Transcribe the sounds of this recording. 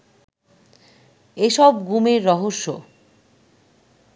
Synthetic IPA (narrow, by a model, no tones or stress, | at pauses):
eʃɔb̚ɡumeɾːɔɦoʃːo